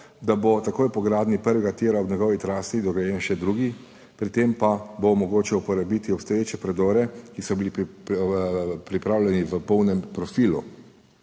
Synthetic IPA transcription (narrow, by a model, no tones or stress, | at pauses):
d̪abot̪akoːjpɔɡɾaːd̪nipəɾʋɛɡat̪eːɾaɔbɲɛɡɔːʋit̪ɾaːst̪id̪ɔɡɛjɛnʃɛd̪ɾuːɡi | pɾit̪empabomɔɡoːt͡ʃɛupɔɾabit̪iɔpst̪ɔjeːt͡ʃɛpɾɛd̪ɔːɾɛkisɔbili | pɾipɾaːwlʲɛniʋəpɔwnɛmpɾɔfiːlṵ